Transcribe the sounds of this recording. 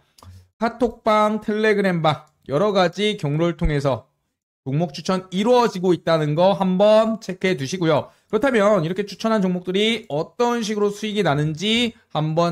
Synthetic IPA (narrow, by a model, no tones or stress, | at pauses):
kʰatʰok̚p͈aŋtʰe̞ɭːe̞ɡɯɾe̞mba | jʌɾʌɡad͡ʑikjʌŋɾoɭtʰoŋe̞sʰʌ | t͡ɕoŋmok̚t͡ɕʰu̥t͡ɕʰʌniɾoʌd͡ʑiɡoit̚t͈anɯnɡʌɦambʌnt͡ɕʰe̞kʰe̞duɕʰiɡojokɯɾʌtʰamjʌniɾʌkʰet͡ɕʰu̥t͡ɕʰʌnɦant͡ɕoŋmok̚t͈ɯɾiʌt͈ʌnɕ̬ʰiɡɯɾosʰuiɡinanɯnd͡ʑihambʌ